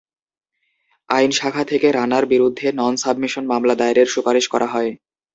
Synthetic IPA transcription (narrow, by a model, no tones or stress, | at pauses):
ajnʃakʰat̪ʰekeɾanaɾbiɾud̪ʱːenɔnsabmiʃonmamlad̪aeɾeɾʃupaɾiʃkɔɾʔaɦɔe